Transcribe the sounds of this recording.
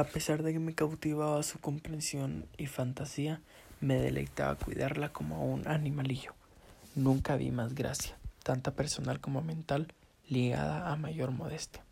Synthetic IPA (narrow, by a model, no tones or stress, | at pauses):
ape̞saɾðe̞ke̞me̞kawt̪iβaβasuko̞mpɾe̞nsjo̞nifant̪asia | me̞ðe̞̰lʔḛjt̪a̰βa̰kwḭðaɾlako̞mounʔanĩmaliʝo̞̥ | nũŋkaβḭmazɡɾa̰sjat̪ant̪ape̞ɾso̞nalko̞mo̞mẽ̞nt̪alː | iɣa̰ðaːmaʝo̞ɾmo̞ðe̞st̪jḁ